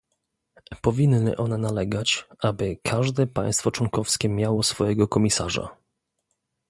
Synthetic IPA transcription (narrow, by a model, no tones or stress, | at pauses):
pɔvʲinːɘ̰ʔɔnɛnalɛɡat͡ɕabɘkʰaʐd̪ɛpã̰j̃st̪fɔt͡ʂwɔŋkɔfskʲɛmʲjawɔsfɔjɛɡɔkɔmʲisa̰ʐa̰